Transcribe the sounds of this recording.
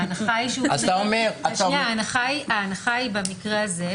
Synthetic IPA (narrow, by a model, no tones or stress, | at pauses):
anaχajiʃeuat̪aomeʁat̪aaanaχaiaːnaχaibamikʁeaze